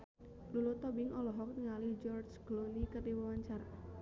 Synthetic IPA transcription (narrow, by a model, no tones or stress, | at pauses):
lulɔt̪ɔbɪŋʔɔlɔɦɔk̚nŋalid͡ʒɔrd͡ʒɡ̥lonikərdiwəwaɲt͡ʃar